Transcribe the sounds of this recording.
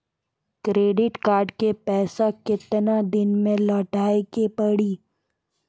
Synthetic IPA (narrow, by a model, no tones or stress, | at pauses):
kɾeːɖɪʈkaːɾɖkepɛːsakɪt̪nad̪ɪnmẽlɔːʈaːekepɐɽiː